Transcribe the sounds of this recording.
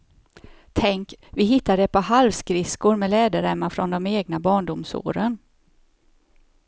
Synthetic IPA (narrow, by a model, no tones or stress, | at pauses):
t̪ʰɛŋkvɪɦɪt̪ːaɖɛpʰɔhalvskɾɪskʊɾmɛlɛːd̪əɾɛmːafɾɔnd̪ɔmeːɡnabɑːɳɖʊmso̰ːɾən